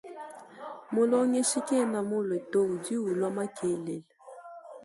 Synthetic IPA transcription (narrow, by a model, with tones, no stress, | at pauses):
mo˦lo˦ŋe˦ʃi˦ke˦˨na˨mo˦le˨to˦˨u˨di˦wu˨lɔ˦ma˦kʰe˨˦le˨l